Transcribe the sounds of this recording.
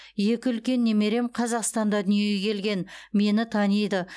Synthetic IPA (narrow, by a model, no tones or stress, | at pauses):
je̞kʲɪʏlkʲe̞nːe̞me̞ɾe̞mqʰɑzɑqst̪ɑnd̪ɑd̪ʏnije̞ɡʲekʲʰe̞lɡʲe̞nme̞nɪt̪ʰɑnijd̪ə